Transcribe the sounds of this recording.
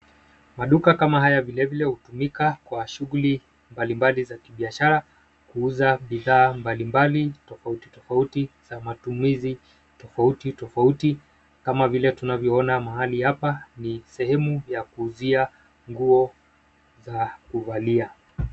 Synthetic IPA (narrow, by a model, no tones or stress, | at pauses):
maɗukakamahajavilɛvilɛhutumikakwaʃuɣuli | mbalimbalizakiɓiaʃaɾa | kuuzaɓiðaːmbalimbalitɔfautitɔfautiz̥amatumizi | tɔfautitɔfauti | kamavilɛtunavjɔɔnamaɦalihapanisɛhɛmujakuːzia | ŋɡuɔ | zakuvalia